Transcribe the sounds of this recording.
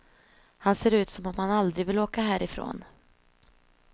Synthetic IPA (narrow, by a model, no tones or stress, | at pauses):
hanseːɾʉ̟ːt̪sɔmɔmhanald̪ɾɪvɪloːkaɦæːɾɪfɾo̰ːn